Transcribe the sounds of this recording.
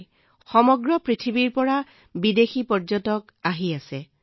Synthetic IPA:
xɔmɔɡɹɔpɹitʰibiɹpɔɹa | bidexipɔɹd͡ʒɔtɔk | aɦiasɛ

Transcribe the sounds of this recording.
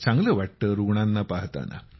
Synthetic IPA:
saŋɡlɐʋɐʈːəɾuɡɳanːapaɦt̪a̰na̰

